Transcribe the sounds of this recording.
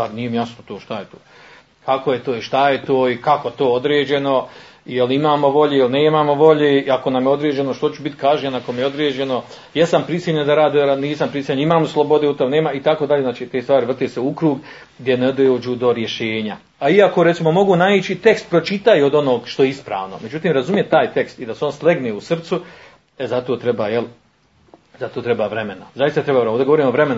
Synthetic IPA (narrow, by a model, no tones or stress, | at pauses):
anijemjasnot̪oːʃt̪ajet̪oː | kako̞je̞t̪oːiʃt̪aje̞t̪oːikako̞t̪oːod̪ɾeːd͡ʑe̞no̞jelimaːmo̞ʋo̞ʎeilineːmaːmo̞ʋo̞ʎeːiako̞namjeo̞d̪ɾeːd͡ʑe̞noʃt̪o̞t͡ʃubit̪kaːʒenako̞mejeod̪ɾeːd͡ʑe̞no̞ | jesampɾisjeʎed̪aɾaːd̪ioɾaniːsampɾisjeɲimaːmoslˠo̞bod̪eut̪omneːmait̪akoːd̪aʎeznaːt͡ʃiːt̪eːst̪ʋaːɾiʋrt̪eːseukɾuːɡ | ɡd̪ʲje̞ned̪oːd͡ʑuːd̪o̞ɾje̞ʃeːɲa | aiako̞ɾe̞t̪simo̞mo̞ɡunait͡ɕit̪e̞kst̪̚pɾo̞t͡ʃit̪ajuod̪o̞no̞ːɡʃt̪o̞jeispɾa̰ːʋno̞̰me̞d͡ʑut̪iːmɾazumjet̪aːjt̪e̞kst̪id̪aseo̞nslˠe̞ɡneːusr̩t̪su | ezat̪o̞ːt̪ɾebaːjel | zat̪oːt̪ɾe̞baːʋɾe̞menazajist̪at̪ɾebaːʋɾoːd̪ɡooɾiːmoʋɾemena